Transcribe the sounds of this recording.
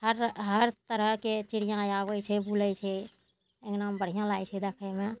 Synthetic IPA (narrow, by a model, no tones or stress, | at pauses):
həɾɦəɾt̪əɾəɦket͡ʃɪɽ̤ijãjaːwəjt͡ʃʰɛbulət͡ʃʰɛ | eknambəɽ̤ijãlaːjt͡ʃʰɛd̪əkʰəmẽ